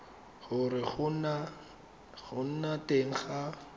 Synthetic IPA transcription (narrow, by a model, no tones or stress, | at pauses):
χʊrɪχʊna | ɣʊn̩nateŋ̩χa